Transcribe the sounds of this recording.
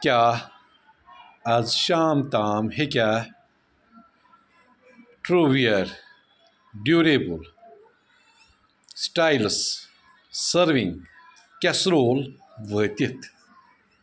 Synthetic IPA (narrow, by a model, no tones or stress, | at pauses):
kʲaː | ɐzɕaːmt̪aːmhekʲa | ʈɾuʋijɐɾ | ɖjuːɾebul | sʈaːjls | sɐɾʋĩŋɡ | kasɾoːl | ʋəːt̪it̪ʰ